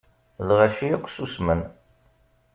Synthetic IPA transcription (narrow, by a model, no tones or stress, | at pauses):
lʁæʃiækʷːsusmən